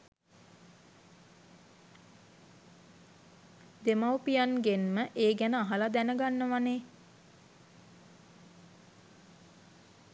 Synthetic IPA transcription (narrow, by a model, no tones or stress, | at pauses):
d̪emawpijanɡenməʔeːɡænəaɦalad̪ænəɡanːəʋaneː